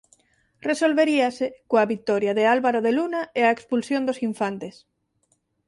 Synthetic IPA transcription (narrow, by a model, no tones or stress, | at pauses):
resolβeɾiasekoaβit̪ɔɾjaðealβaɾoðelunaeaekspulsjond̪osiɱfant̪es